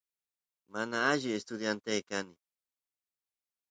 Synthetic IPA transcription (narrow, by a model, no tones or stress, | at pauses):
manaaʒɪest̪ʊd̪jant̪ejkanɪ